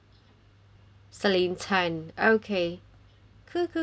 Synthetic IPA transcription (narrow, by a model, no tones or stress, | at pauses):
səlintʰanʔoʊkʰe | kʰɯkʰː